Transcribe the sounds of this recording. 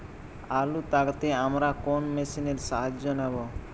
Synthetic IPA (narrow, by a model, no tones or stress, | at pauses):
alut̪akat̪eamɾakonmesineɾʃaɦad͡ʑd͡ʑonɛbo